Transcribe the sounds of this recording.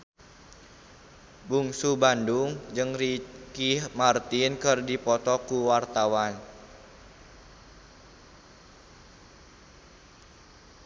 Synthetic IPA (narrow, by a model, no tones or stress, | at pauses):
buŋsubandʊŋd͡ʒɨŋrikihmart̪ɪnkɨrdipɔt̪ɔkuwart̪awan